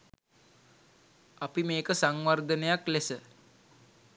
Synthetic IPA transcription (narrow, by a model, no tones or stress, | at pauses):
apimeːkəsaŋʋard̪ənəjaklesə